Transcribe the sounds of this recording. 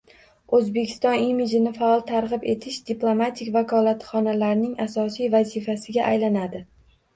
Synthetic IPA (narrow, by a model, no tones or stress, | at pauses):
ɵzbe̞kʲʰɪ̥st̪ɒnimid͡ʒɪnɪfaɒlˠt̪ʰaɾʁɨpe̞t̪ʰɪʃd̪ɪplˠomat̪ʰɪkʲvakʰɒlˠat̪χɒnalaɾnɪŋasɒsijvazɪfasɪɡʲaʔajlanad̪ɪ